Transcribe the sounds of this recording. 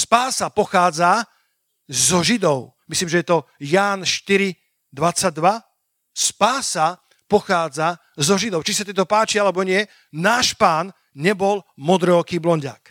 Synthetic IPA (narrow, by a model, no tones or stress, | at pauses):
spaːsapɔxaːd͡za | zɔʒid̪ɔʊmisliːmʒɛjɛt̪ɔjaːnʃt̪iɾi | d̪ʋat͡saɟ̚d̪ʋa | spaːsa | pɔxaːd͡za | zɔʒid̪ɔʊt͡ʃisat̪ɛt̪ɔpaːt͡ʃialɛbɔɲɪɛ | naːʃpaːn | ɲɛbɔlmɔd̪ɾɛɔkiːblɔɲɟa̰ːk